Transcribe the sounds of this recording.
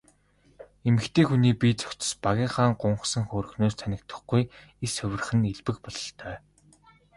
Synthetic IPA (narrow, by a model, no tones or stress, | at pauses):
emɘ̆xt̪ʰeːxuniːpʲit͡sœ̥kʲt͡sɞ̥̆spaɣʲiːŋχaːŋɢʊɴχsə̆ŋχoːrɵ̆xnoːst̪ʰænʲɪ̆kt̪ə̆χɡuj | esɵwʲɘ̆r̆χɘ̆neɮpɘ̆kpɔɮɞ̆ɬt̪ʰœː